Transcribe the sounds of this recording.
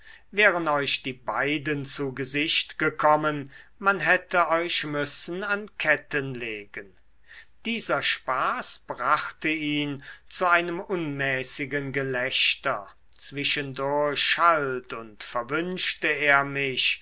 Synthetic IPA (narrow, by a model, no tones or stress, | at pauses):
vɛːʁəntɔʏçd̥iːbaɪdənt͡suɡəzɪʃtɡ̥əkʰɔmənmanɦɛtəɔʏɕmʏsn̩ankʰɛtənleːɡən | d̥iːzɐʃpaːsb̥ʁaχtəiːnt͡suaɪnəmʊnmɛːsɪɡənɡəlɛɕtɐ | t͡sv̥ɪʃəndʊɐçʃaltʊntfɛɐvʏnʃtəeːɐmɪɕ